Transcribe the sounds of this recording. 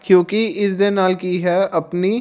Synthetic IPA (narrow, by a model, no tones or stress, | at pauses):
kjõːkiɪsd̪enaːlkiːɦɛːəpniː